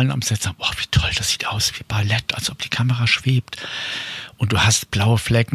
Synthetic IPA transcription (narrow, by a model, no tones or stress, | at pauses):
lənʊ̰msɛz̥aːʔɔːv̥iːtʰɔld̥asz̥iːtʔaʊsv̥iːb̥alɛtʰa̰lsʔɔp̚d̥iːkʰaməʁaːʃv̥eːpt | ʔʊnt̚d̥uːhastb̥laʊəflɛk̩